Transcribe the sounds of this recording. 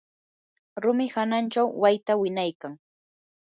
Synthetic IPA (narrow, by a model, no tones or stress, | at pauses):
ɾʊmɪhanant͡ʃawwajt̪awɪnajkaŋ